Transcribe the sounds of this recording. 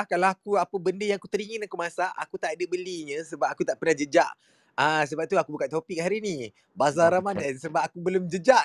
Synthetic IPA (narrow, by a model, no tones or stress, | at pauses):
ahkalaakuapəbəndəjaŋakut̪əɾiŋənakumasaʔa̰kut̪aʔadəbəliɲə̃səbap̚akut̪aʔpərnahd͡ʒəd͡ʒaʔ | as̬əbap̚t̪uakubukat̪opik̚haɾini | bazaɾamandansəbap̚akubəlomd͡ʒəd͡ʒaʔ